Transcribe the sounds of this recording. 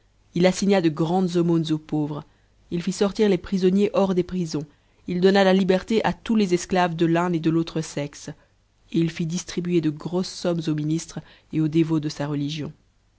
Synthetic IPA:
ilasiɲad̪əɡʁɑ̃d̪zɔmonzopovʁ | ilfisɔʁt̪iʁlepχizɔnjeʔɔʁd̪epχizɔ̃ | ild̪ɔnalalibɛʁt̪eʔat̪ulezɛsklavd̪əlɛ̃ed̪əlot̪χəsɛks | eilfid̪ist̪χibyed̪əɡʁosːɔmzominist̪χ | eod̪evod̪əsaʁəliʒjɔ̃

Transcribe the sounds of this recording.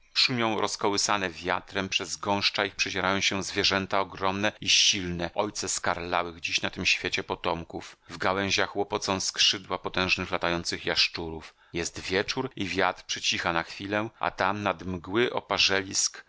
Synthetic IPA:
ʂumʲjɔ̃w̃ɾʔɔskɔwɘsanɛvʲja̰t̪ɾɛmpʂɛzɡɔ̃w̃ʂt͡ʂaixpʂɛt͡ɕɛɾajɔ̃w̃ɕɛ̃zvʲjɛʐɛnt̪aɔɡɾɔmnɛiɕilnɛʔɔjt̪sɛskaɾlawɘɣd͡ʑiɕnat̪ɘmɕfʲjet͡ɕɛpɔt̪ɔmkufvɡawɛ̃ʑaxwɔpɔt̪sɔ̃w̃skʂɘd̪wapɔt̪ɛ̃w̃ʐnɘxlat̪ajɔnt̪sɘxjaʂt͡ʂuɾuf | jɛst̪vʲjɛt͡ʂuɾivʲjat̪ɾpʂɛt͡ɕixanaxfʲilɛʔa̰t̪amnad̪mɡwɘʔɔ̰paʐɛlʲisk

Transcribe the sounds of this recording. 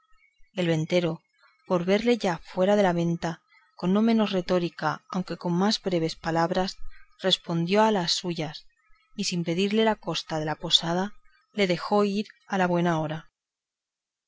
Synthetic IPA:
e̞lβe̞nt̪e̞ɾo̞ | po̞ɾβe̞ɾle̞ʝafwe̞ɾaðe̞laβ̞e̞nt̪a | ko̞nːo̞mẽ̞no̞zre̞t̪o̞ɾikaa̰wŋke̞ko̞mmazβɾe̞β̞e̞spalaβ̞ɾasre̞spo̞nd̪jo̞alasːuʝas | isimpe̞ðiɾle̞lako̞st̪að̞e̞lapo̞sað̞a | le̞ðe̞xo̞iɾalaβwe̞nao̞ɾa

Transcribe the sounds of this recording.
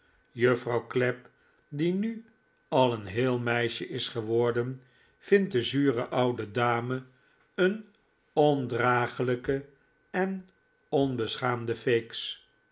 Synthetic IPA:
jøfrɑwklɛp̚ | diny | ɑlˠənɦɪːlˠmɛjʃəʔɪsχəʋɔɹdən | v̥ɪnt̚dəzyːrəʔɑwdədaːmə | ən | ɔndraːχələkə | ɛn | ɔnbəsχaːmdəfejks

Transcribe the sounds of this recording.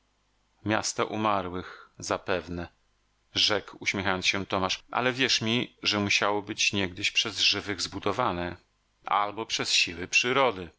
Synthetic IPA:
mʲja̰st̪aʔumaɾwɘxzapɛvnɛ | ʐɛkwuɕmʲjɛxajɔnsɕɛt̪ɔmaʂʔa̰lɛvʲjɛʂmʲiʐɛmuɕawɔbɘt͡ɕɲɛɡd̪ɘɕpʂɛzʐɘvɘɣzbud̪ɔvanɛ | ʔa̰lbɔpʂɛsɕiwɘpʂɘɾɔd̪ɘ

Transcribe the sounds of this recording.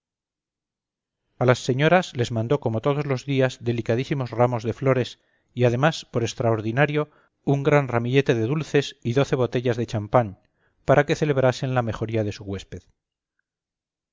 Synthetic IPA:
alasːe̞ɲo̞ɾasle̞zmãnd̪o̞ko̞mo̞t̪o̞ð̞o̞zlo̞zðiazðe̞likað̞isimo̞zramo̞zðe̞flo̞ɾe̞s | iað̞e̞maspo̞ɾe̞st̪ɾaoɾðinaɾjo̞ | uŋɡɾanramiʎe̞t̪e̞ð̞e̞ðulθe̞siðo̞θe̞β̞o̞t̪e̞ʎazðe̞t͡ʃampan | paɾʔake̞θe̞le̞β̞ɾase̞nlame̞xo̞ɾiað̞e̞suɣwe̞spe̞ð

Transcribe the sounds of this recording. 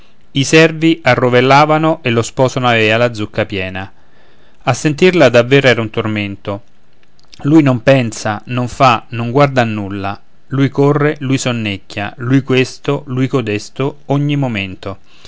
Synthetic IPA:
isɛrviʔarːovelːaːvanoʔelːospɔːsanoavealad̪zːukːapjɛːna | asːent̪irlad̪avːeːɾoɛːɾaunt̪orment̪o | lujnompɛnsanoɱfanoŋɡward̪anːulːa | lujkorːelujsonːecːja̰lujkwest̪olujkod̪est̪ooɲːimoment̪o

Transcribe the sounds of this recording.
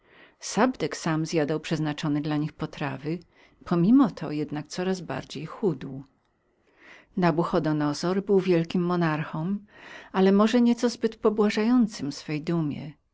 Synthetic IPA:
sabd̪ɛksamzʲjad̪awpʂɛznat͡ʂɔnɘd̪laɲixpɔt̪ɾavɘ | pʰɔmʲimɔt̪ʰɔ̰jɛd̪nak̚t̪sɔɾazba̰ɾd͡ʑejxud̪w | nabuxɔd̪ɔnɔsɔɾbɘwvʲjɛlkʲimːɔnaɾxɔmalɛmɔʐɛɲɛt̪sɔzbɘt̪pɔbwaʐajɔnt̪sɘmfsfɛjd̪umʲjɛ̰

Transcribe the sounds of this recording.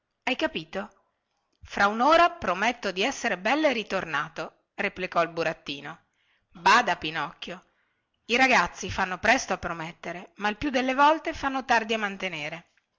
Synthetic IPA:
ajkapiːt̪o | fɾaunoːɾapɾomet̪ːod̪iɛsːeɾebɛlːoerit̪ornaːt̪o | replikɔilbuɾat̪ːiːno | baːd̪apinɔkːjo | iɾaɡat̪sːifanːopɾɛst̪oapːɾomet̪ːeɾemailpjud̪elːevɔlt̪efanːot̪ard̪iamːant̪eneːɾe

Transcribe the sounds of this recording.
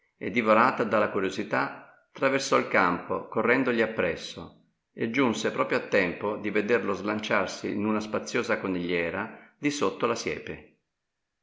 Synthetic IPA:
ed̪ːivoɾaːt̪ad̪alːakuɾjozit̪a | t̪ːɾaversɔilkampo̰korːɛnd̪oʎiapːɾɛsːo̰ | ed͡ʒːunsepɾɔːpɾjoat̪ːɛmpod̪ived̪erlozlant͡ʃarsḭnunaspat̪sːjoːzakoniʎːɛːɾad̪isot̪ːolasjɛ̰ːpe

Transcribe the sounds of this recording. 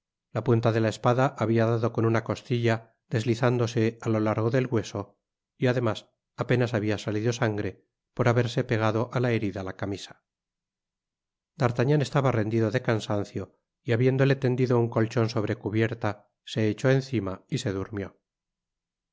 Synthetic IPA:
lapunt̪aðe̞laespaðaʔːβiaðaðo̞ko̞nunako̞st̪iʎa | ðe̞zliθand̪o̞se̞alo̞laɾɣ̞o̞ðe̞lɣwe̞so̞ | iaðe̞mas | ape̞nasaβiasaliðo̞saŋɡɾe̞ | poɾaβe̞ɾse̞pe̞ɣ̞aðo̞ʔalaeɾiðalakamisḁ | d̪̥aɾt̪aɲane̞st̪aβare̞nd̪iðo̞ðe̞kansan̟θjo̞ | iaβje̞nd̪o̞le̞t̪e̞nd̪iðo̞uŋko̞lt͡ʃo̞nso̞βɾe̞kuβje̞ɾt̪a | se̞ːt͡ʃo̞e̞nθimaise̞ðuɾmjo̞

